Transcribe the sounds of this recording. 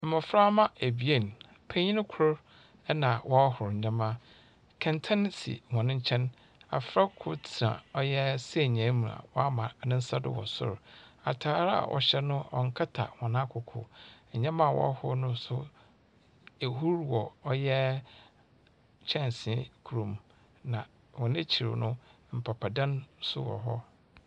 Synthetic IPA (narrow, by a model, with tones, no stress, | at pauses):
m̩˨mɔ̃˨fɾa˦mã˦e˨bi˨e˦˨n˨ | pʰɛ̃˦ɲĩ˦ñ˦kʰʊ˦ɾ | ɛ˦nã˨wʔɔ˦a˦ɦʊ˨ɾɲ̩˨ɲã˦mã˦ | kʰɛ̃˨ntʰã˦n˦sḭ˨hɔ̃˨nɪ̃˦ɲ̩˦t͡ɕʰɛ̃˦n | a̰˨fɾa˦kʰʊ˦tʰɾã̰˨ɔ˦jɛ˦se˨ɲã˨˦mũ˨a̰˨wɔ˦a˦mã˨nɪ̃˦n̩˦sa˦dʊ̰˦wɔ̰˨sʊ̰˦ɾa̰˨tʰaː˨˦ɾa̰˨wʔɔ̰˨ɕɛ˦nʊ̃˦ɔ˨ŋ̩˦kʰa˦tʰa̰˨hɔ̃˨nã˦kʰʊ˨kʰʊ̰˨ɲ̩˨ɲɛ̃˦mã˦˨wɔ̰˦hʊ˦nʊ̃˦sʊ˦ | e˨ɦu˦ɾwɔ˨ɔ˦jɛ˦ | t͡ɕʰɛ̃˦˨n˨sɪ̃˨˦kʰu˨ɾũ˨m | nã˨ | wɔ̃˨ne˦t͡ɕʰi˨ɾɪ̰˨nʊ̃˦ | m̩˨pʰa˨pʰa˨dã˦nsʊ̰˦wɔ̰˨ɦɔ˦